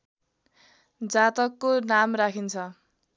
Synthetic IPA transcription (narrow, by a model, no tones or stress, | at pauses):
d͡zat̪ʌkːonamrakʰint͡sʰʌ